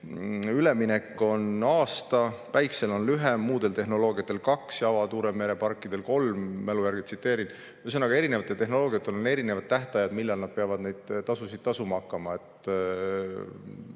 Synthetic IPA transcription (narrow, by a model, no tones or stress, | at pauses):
yle̞mine̞kːˑo̞nɑːst̪ɑpæjkse̞lo̞nlyɦe̞mːuːd̪̥e̞lt̪e̞ɦno̞lo̞ːɡiɑt̪ːˑe̞lkɑksjɑvɑt̪uːɾe̞me̞ɾe̞pɑrkˑːid̪̥e̞lko̞lmːelujæɾrɡit̪sit̪ːˑe̞ːɾin | jsenɑɡ̥ɑe̞ɾinevɑt̪ːˑe̞lt̪e̞ɦno̞lo̞ːɡijɑt̪ːˑe̞lo̞ne̞ɾine̞vɑd̪̥̚t̪æɦt̪ɑjɑd̪̥milːɑlnɑd̪̥̚peɑvɑd̪̥ne̞jd̪̥t̪ːɑsusid̪̥̚t̪ːɑsumɑɑkːˑɑmɑe̞t̪